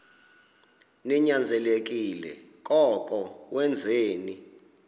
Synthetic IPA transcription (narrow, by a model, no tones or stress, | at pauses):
nɛɲand͡zʱɛlek̬ʼilɛ̰ | k̬ʼɔk̬ʼɔwɛnd͡zʱeːni